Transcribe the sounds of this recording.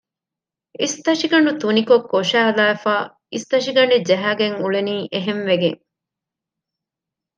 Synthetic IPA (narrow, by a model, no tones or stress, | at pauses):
ist̪ɐʂiɡɐɳut̪unikokːoʂæːɐlaːefaː | ist̪ɐʂiɡɐɳɖed͡ʒɐɦæːɡeŋuɭeniːʔeɦenʋeɡḛŋ